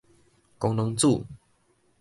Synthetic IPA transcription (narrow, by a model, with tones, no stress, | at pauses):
kɔ˧˦ŋlo˧˦ŋt͡su˥˨